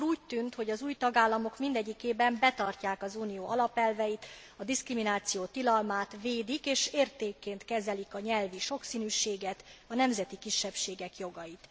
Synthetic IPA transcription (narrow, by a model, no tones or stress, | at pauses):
uːc̚t̪ynt̪ho̞ɟɒzuːjt̪ɒɡaːlːɒmo̞kmind̪ɛɟːikeːbɛmbɛt̪ɒrcaːkɒzuːnijoːʔɒlɒpɛlvɛjit̪ | ɒd̪iskriminaːt̪sijoːt̪ilɒlmaːt̪ʋeːd̪ikeːʃeːrt̪eːkːeːnt̪kɛzɛlikɒɲɛlviʃo̞ksiːnyːʃeːɡɛt̪ɒnɛmzɛt̪ikiʃːɛpʃeːɡɛkjo̞ɡɒjit̪